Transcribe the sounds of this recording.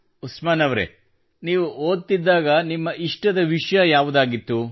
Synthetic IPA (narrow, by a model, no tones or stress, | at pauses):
usmaːnɐʋɾḛ | niːʋuoːd̪̚t̪id̪ːaːɡɐnimːɐʔiʂʈɐd̪ɐʋiʂɐjɐjaːʋud̪aːɡit̪ːu